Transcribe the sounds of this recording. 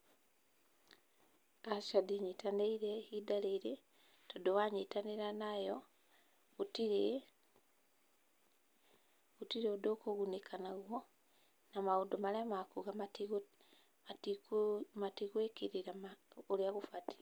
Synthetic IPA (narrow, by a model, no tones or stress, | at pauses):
aʃadiɲetaneiɾehidaleiɾe | todowaɲetaneɾanajɔ | utiɾe | utiɾeodokoɣunekʰanaɣwɔ | namaudomaleamakuɣamatiɣ | matikmatiɣwekeɾeɾamaoɾjaɣufati̥